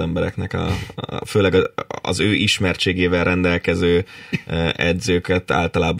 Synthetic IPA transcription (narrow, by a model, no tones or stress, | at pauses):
ɛmbɛɾɛ̰knɛkɒ̰føːlɛɡɒɒ̰zøːʔiʃmɛrt͡ʃeːɡeːvɛlrʔɛnd̪ɛlkɛzøː | ʔɛd̪zøːkɛt̪a̰ːlt̪ɒlaːb